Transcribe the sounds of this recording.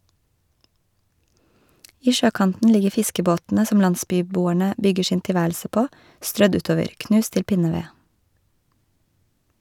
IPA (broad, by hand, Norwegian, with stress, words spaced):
ˈiː ˈʃøːˌkɑntn̩ ˈlɪɡə ˈfɪskəˌboːtn̩ə ˈsɔm ˈlɑnˌsbyːˌbuːæɳə ˈbʏɡə ˈʃiːn tɪˈʋæːlsə ˈpoː ˈstɾœd ˈʉːˌtoːʋəɾ ˈknʉːs ˈtɪl ˈpɪnəˌʋeː